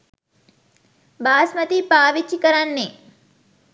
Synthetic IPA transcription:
baːsmɐt̪ipaːʋit͡ʃːikɐɾɐnːe

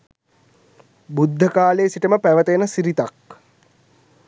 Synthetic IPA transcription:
bud̪ʱːəkaːleːsiʈəməpæʋət̪əjənəsiɾit̪ak

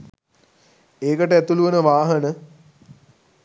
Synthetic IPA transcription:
eːkəʈəæt̪uluʋənəʋaːɦənə

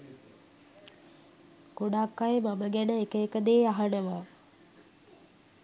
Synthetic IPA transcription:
ɡ̥oɽaːkːajmaməɡænəekəekəd̪eːaɦanəʋa

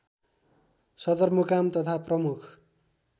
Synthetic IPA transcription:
sʌd̪ʌrmʌkamt̪ʌt̪ʰaprʌmukʰ

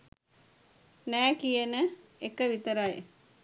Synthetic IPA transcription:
næːkijənəekəʋit̪əɾaj

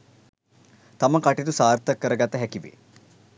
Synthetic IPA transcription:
t̪aməkaʈit̪usaːrt̪ɐkːəɾəɡat̪ːəɦɛkiʋḛ

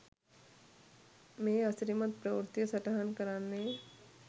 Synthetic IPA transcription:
mẽːɐsɾimət̪̚pɾɐʋɾt̪jəsɐʈaɦənkɐɾaːnːe

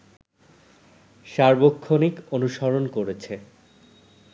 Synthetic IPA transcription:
ʃaɾbokʰːonikonuʃɔɾonkoɾet͡ɕʰe

